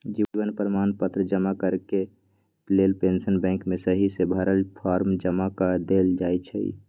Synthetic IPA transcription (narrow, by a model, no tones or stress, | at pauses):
d͡ʒibənpɾəmanpət̪ɾəd͡ʒəmakəɾke | lelpensənbɛ̃ŋkmesəɦisebʱəɾəlpʰaɾmd͡ʒəmakəd̪eld͡ʒajt͡ʃʰə̰ḭ